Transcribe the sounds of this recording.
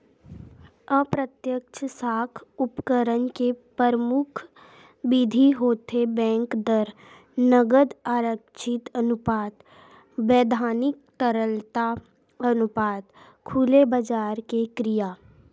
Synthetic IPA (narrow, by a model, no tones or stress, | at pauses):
əpɾət̪jəkt͡ʃʰsaːkʰʊpkəɾənkepəɾəmʊkʰ | bɪd̪ʱiɦoːt̪ebɛ̃ːŋkd̪əɾ | nəɡəd̪aːɾəkt͡ʃʰɪt̪ənʊpaːt̪ | ʋeːd̪ʱaːnɪk̚t̪əɾəlt̪a | ənʊpaːd̪ | kʰulebəd͡ʒaːɾkekɾɪjaː